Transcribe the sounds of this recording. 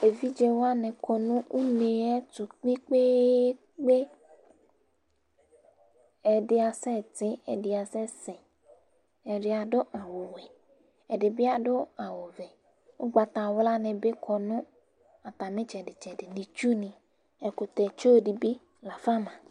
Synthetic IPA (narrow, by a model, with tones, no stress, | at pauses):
e˨vi˦d͡ʒɛ˦wa˦nɛ̃˨kɔ˨nũ˦u˦ne˨ɛ˦tu˨k͡pĩ˦k͡pe˦ | k͡pe˦ | ɛ˨ɖɪ˨a˨sɛ˦˨te˦ɛ˨ɖi˨a˨sɛ˦sɛ˨ | ɛ˨ɖe˨a˨ɖo˦ʔa˨wo˨wɛ˨ | ɛ˨ɖe˨bi˦a˨ɖo˦a˨wo˨vɛ˨ | wo˦ɡ͡ba˨t̪a˨wla˦nɛ̃˨be˦kʰɔ˨nũ˦ | a˨t̪a˨mẽ˦t͡ʃɛ˨ɖe˨t͡ʃɛ˨ɖe˨nĩ˨t͡ʃu˦nĩ˨ | ɛ˨ko˨t̪ɛ˨t͡ʃo˦ɖi˨bi˦ | la˨fa˦mã˨